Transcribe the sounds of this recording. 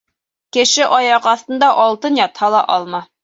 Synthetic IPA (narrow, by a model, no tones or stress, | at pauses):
kɘ̆ʃɘʔɒjɑqɑθt̪ɤ̆nd̪ɑʔɒlˠt̪ɤnjɒt̪hɑlˠɑʔɒlˠmɑ